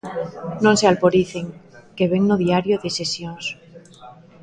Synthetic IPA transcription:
nõnsealpoɾiθeŋkeβeŋnoðiaɾjoðesesjons

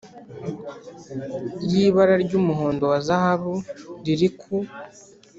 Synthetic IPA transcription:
jiːβaɾaɾɟuːmuɦo̞ːndo̞wazahaβuɾiɾikʰu

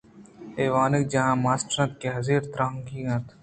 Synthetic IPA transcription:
eːʋaːnɪk̚d͡ʒɐɦãːmaːsʈɾɐ̃nt̪̚keɦɐziːɾt̪ɾaːŋɡiːɡɐ̃t̪

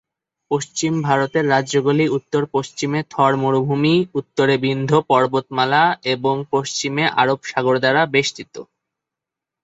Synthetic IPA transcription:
poʃt͡ɕimbʱaɾot̪eɾːad͡ʑʑoɡoliut̪ːoɾpoʃt͡ɕimet̪ʰɔɾmoɾubʱumiut̪ːoɾebind̪ʱopɔɾbot̪malaeboŋpoʃt͡ɕimeʔa̰ɾobʃaɡoɾd̪aɾabeʃt̪it̪o̰

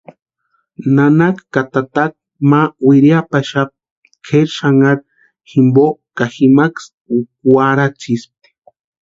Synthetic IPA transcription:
nanakkat̪at̪ak̚ | mawiɾjapaʃap̚ | kʰeɾʃaŋaɾ | ximbokaximaks | ukwaɾat͡ʃisp̚

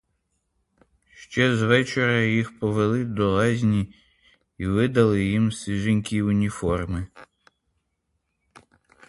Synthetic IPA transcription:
ʃt͡ʃɛzʋɛt͡ʃeɾɐjixpɔʋelˠɪd̪ɔlɛzʲnʲi | iʋɪd̪ɐlˠɪjimsʲiʒɪnʲkʲiʊnʲifɔrmɪ

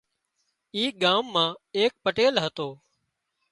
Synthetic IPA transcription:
iːɠaːmːãːeːk̚pəʈeːlɦət̪oː

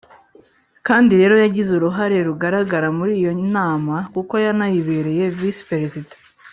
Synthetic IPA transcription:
kaːndiɾe̞ːɾo̞jaɟizuɾuɦaɾe̞ɾuɡaɾaɡaɾamuɾiːjo̞naːmakuko̞janajiβeɾe̞je̞vispeɾesidḁ

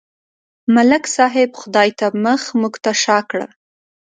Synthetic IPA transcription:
malɪksɑɦɪbxʊd̪ɑjt̪aməxmuɡt̪aʃɑkɽə̰

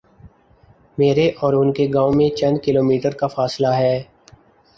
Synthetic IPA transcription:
meːɾeʔɔːɾʊnkeɡãːõmẽt͡ʃɐ̃nd̪kɪloːmiːʈəɾkafaːslaɦɛː

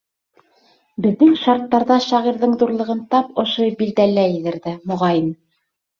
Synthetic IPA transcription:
bɘ̆ðːɘŋʃɑɾt̪ːɑɾðɑʃɑʁiɾðɤɴðuɾlˠɤ̆ʁɤnt̪ɑpŏʃobild̪ælːæjɘ̆ðɘ̆ɾðæmŏʁɑjɘn

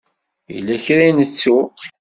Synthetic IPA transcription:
jḭlːæçɾinət͡sːu

